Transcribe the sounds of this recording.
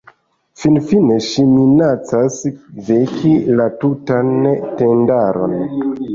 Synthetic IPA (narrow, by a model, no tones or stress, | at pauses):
finfine̞ʃiminat͡sasvekilatutante̞ndaɾo̞̰n